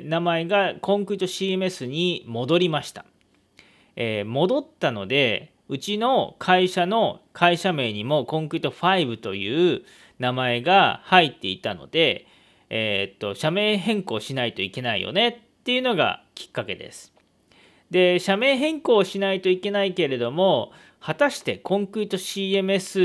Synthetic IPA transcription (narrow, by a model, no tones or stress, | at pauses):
namae̞ɡakõ̞ŋkɯit̪oɕiːem̟esɨɲ̟imo̞d̪o̞ɾʲimaɕi̥t̪a | eːmo̞d̪o̞t̪ːano̞d̪e̞ | ɯ̟t͡ɕino̞kʰaiɕano̞kʰaiɕame̞ːɲ̟imo̞kõ̞ŋkɯ̟it̪o̞ɸaibɯ̟t̪o̞jɯ̟ː | namae̞ɡahait̪ːe̞it̪ano̞̰d̪e̞ | t̪ːo̞ɕame̞ːɦẽ̞ŋko̞ːɕinait̪o̞ike̞naḭjo̞̰ne̞t̪ːe̞iɯ̟noɡa̰kʲi̥kːake̞̰d̪e̞̰sɨ̥ | d̪e̞ɕame̞ːɦẽ̞ŋko̞ːɕinait̪o̞ike̞naike̞ɾe̞d̪o̞mo̞ | hat̪aɕi̥t̪e̞kõ̞ŋkɯit̪o̞ɕiːe̞mɯ̟esɨ